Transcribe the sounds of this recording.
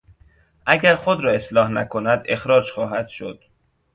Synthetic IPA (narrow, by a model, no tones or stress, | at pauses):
ʔæɟæɾxod̪ɾɒːe̞slɒːhnækʰonæd̪e̞xɾɒːd͡ʒxɒːɦæd̪̥ʃo̰d̪̥